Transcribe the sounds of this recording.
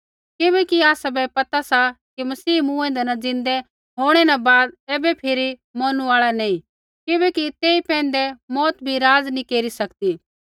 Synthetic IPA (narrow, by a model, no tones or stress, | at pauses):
kɪbɛkiaːsabɛpɐt̪asakimɐsiːmũːẽnd̪ɛnɐ̃d͡zɪ̃nd̪ɛ | ɦoːɽ̃ɛnabaːd̪̚ɛːbɛpʰɪɾimɔːnũaːɭanɐĩ | kɪbɛkit̪eːipɛ̃ːnd̪ɛmɔːt̪bʱiɾaːd͡znĩkeːɾisɐkt̪iː